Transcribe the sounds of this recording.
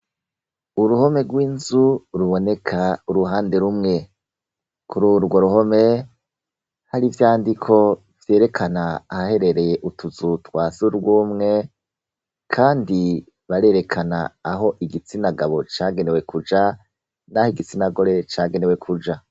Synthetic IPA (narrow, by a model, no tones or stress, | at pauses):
uɾuho̞me̞ɡwiːnzuɾuβo̞ne̞kʰauɾuɦaːndeɾumŋe̞ | kʰuɾuɾɡwo̞ɾuho̞me̞ | haɾivjaːndikʰo̞ | vje̞ːɾe̞kʰanaːhahe̞ɾe̞ɾe̞jeʔutʰuzutwasuɾɡwuːmŋe̞ | kʰaːndi | βaɾe̞ːɾe̞kʰana̰ːɦo̞ʔiɡit͡sinaɡaβo̞t͡ʃaːɡene̞we̞kʰud͡ʒa | nahiɡit͡sinaɡo̞ɾe̞t͡ʃaːɡe̞ne̞we̞kʰud͡ʒa